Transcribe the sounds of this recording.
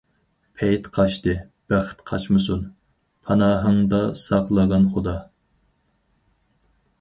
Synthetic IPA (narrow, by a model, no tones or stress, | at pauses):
pʰɛjt̪qʰɑʃt̪ɨ | b̥æχɪ̥t̪qʰɑt͡ʃmɨs̬un | pʰɑnɑːɦɨŋd̪ɑsɑqlˠəʁɑnχod̪ɑ